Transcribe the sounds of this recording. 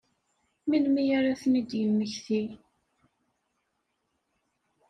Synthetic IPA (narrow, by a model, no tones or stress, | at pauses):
minmijaɾaθnid̪jəmːəçθi